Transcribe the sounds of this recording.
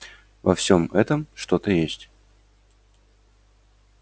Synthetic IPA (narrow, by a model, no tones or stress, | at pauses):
vɐfsʲomɛt̪əmʂt̪o̞t̪əjesʲtʲ